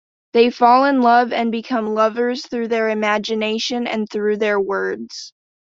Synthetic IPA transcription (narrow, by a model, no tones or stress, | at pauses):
ðeɪfɔlˠɪ̃nlʌvɨ̃nbɨkʰʌ̃mlʌvə˞z̥θɹʉðə˞ɨmæd͡ʒɨneɪʃɨ̃nɨ̰̃nθɹʉðə˞wɜ˞dz̥